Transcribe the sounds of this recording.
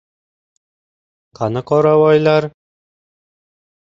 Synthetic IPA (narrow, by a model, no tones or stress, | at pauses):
qɑnɤqɒɾɑwɑjlˠɑɾ